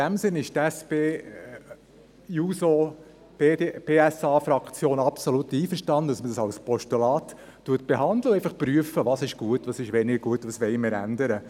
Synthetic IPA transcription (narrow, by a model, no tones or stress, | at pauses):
ɪd̥æmsɪnːɪʃtæspeː | juso̥ | eb̥eːɛsɑːfɾɑkt͡sjoːnɑpsolutiːfəɾʃtɑnd̪ədɑsmədɑsɑlspɔʃtulɑːt | tuət̚b̥eɦɑnd̪ləʊɛɪfɑχpɾyəfəʋɑsɪʃɡ̥uətʋɑsɪʃʋɛnɪɡəɾɡuətːʋɑsʋɛɪmɪɾæ̰ndəɾə